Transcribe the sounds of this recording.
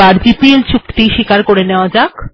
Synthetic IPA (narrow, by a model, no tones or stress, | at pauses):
aɾd͡ʑipielt͡ɕʰukt̪iʃikaɾkoɾeneoad͡ʑak